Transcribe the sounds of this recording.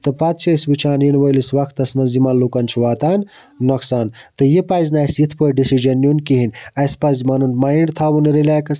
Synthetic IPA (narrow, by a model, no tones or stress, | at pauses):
t̪ɨpɐt̪̚t͡ʃʰɐsbit͡ʃʰaːnjinʋɐjlisʋɐkʰt̪ɐsmɐnzimɐlukɐnt͡ʃʰiʋaːt̪aːnː | ɐksaːnt̪ɨjipazʲnaːjsjit̪ʰpɐɖisid͡ʒɐnːjunkiɦinʲɐspɐzmɐnunmaːjɳɖt̪ʰaːbunɾelʲaːkɐs